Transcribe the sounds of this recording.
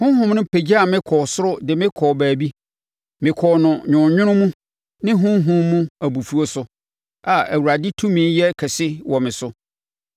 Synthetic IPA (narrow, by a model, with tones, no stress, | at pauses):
hʊ̃˦ɦʊ̃˦m˦nʊ̃˦pʰe˨d͡ʑi˦a˨mɪ̃˦kʰɔː˨sʊ˦ɾʊ˦dɪ˨mɪ̃˦kʰɔː˨bæː˨bi˦ | mɪ̃˨kʰɔː˨nʊ̃˨ɲᶣʊ̃˨ɲᶣʊ̃˦ɾʊ̃˦mũ˦ | nɪ̃˦ɦʊ̃˦ɦʊ̃˦mũ˦æ˨bu˨fu˨˦o˦sʊ˨ | a˨æ̰˨wu˨ɾa˨dɪ˦tʰũ˦mĩ˦njɛ˦kʰɛ˨sɪ˦wɔ˨mɪ̃˨sʊ˦